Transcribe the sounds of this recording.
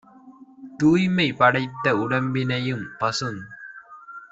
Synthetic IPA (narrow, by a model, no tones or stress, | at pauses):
t̪uːjmɐɪpɐɽɐɪt̪ːɐʊɽɐmbɪnɐjɯmpɐsɯŋ